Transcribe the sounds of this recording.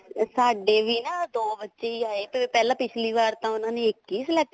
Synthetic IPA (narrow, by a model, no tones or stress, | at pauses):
saːɖeːʋiːnaːd̪oːbətːʃeːiaːeːpɛːlãːpɪt͡ʃʰliːʋaːɾt̪ãːʊnãːnẽːɪkːiːslɛː